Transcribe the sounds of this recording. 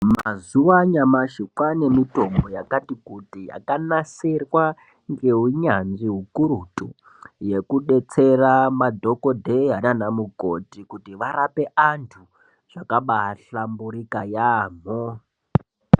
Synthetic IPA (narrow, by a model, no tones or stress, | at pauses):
ma̰zuʋaɲamaʃikwane̞mito̞mbo̞jakatikutija̰kanaserwa | ŋɡe̞ɦuɲanʐiɦukuɾutʼu | je̞kuɗe̞t͡seramadʱo̞kodʱeɦananamukotikutiʋaɾape̞ʔantʰu | ʐ̥akaɓaɦaɬambuɾikajaːm̤o